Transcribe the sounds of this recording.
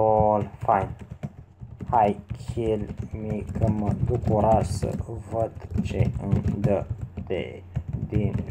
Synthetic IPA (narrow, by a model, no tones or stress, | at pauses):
olfajn | hajkʲʰelmikʰəməd̪ukoɾasə̰vəd̪t͡ʃeɨnd̪əd̪ḛ | d̪in